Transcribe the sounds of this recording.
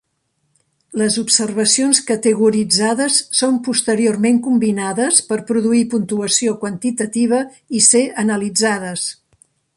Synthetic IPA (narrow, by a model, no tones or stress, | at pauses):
ləzupsərβ̞əsionskət̪əɣuɾid͡zaðəsːompust̪əɾiormeŋkumbinaðəspəɾpɾuðuipunt̪uəsiokwənt̪it̪ət̪iβ̞ə | iseənəlid͡zað̞əs